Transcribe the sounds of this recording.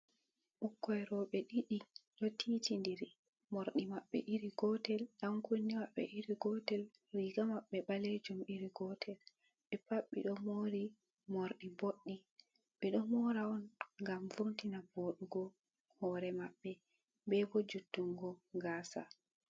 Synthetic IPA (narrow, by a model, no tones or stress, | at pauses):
ʔukːɔɛɾɔɓɛɗiɗiɗɔtʰiːtindiɾi | moɾɗimaɓːɛ̰ʔiɾiɡɔtɛlɗamkonːimaɓːɛ̰ʔiɾiɡɔtɛl | riɡamaɓːɛɓaled͡ʒumiɾiɡɔtʰɛl | ɓɛpaɓːḭɗɔmoːɾi | moɾɗiboɗːi | ɓɛɗɔmɔɾaɔnŋɡamfontinaboːɗuɡɔ | hɔɾɛmaɓːɛ | bɛbod͡ʒutːuŋɡɔɡaːsa̰